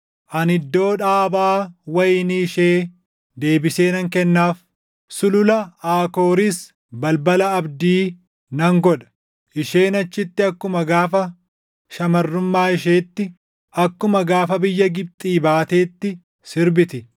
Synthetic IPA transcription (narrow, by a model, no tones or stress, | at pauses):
ʔɐnɪd̪ːo̞ːᶑaːbaːwɐjniːʃeː | d̪e̞ːbɪseːnɐŋkɛnːaːf | sʊlʊlɐaːko̞ːɾɪs | bɐlbɐlɐɐbd̪iː | nɐŋɡɔᶑɐ̥ | ʔɪʃe̞ːnɐt͡ʃːɪt̪ːɪɐkːʊmɐɡaːfɐ | ʃɐmɐrːʊmːaːɪʃe̞ːt̪ːɪ | ɐkːʊmɐɡaːfɐbɪjːɐɡɪb̚t̪ʼiːbaːt̪eːt̪ːɪ | sɪɾbɪt̪ɪ